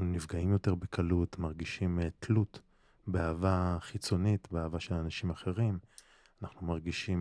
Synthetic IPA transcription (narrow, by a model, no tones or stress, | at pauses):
nunivɡaimjote̞ʁbekʰalutmaʁɡiʃimtʰlut | beaːvaχit͡so̞nitbeaːvaʃe̞lanaʃimaχe̞ʁim | anaχnumaʁɡiʃim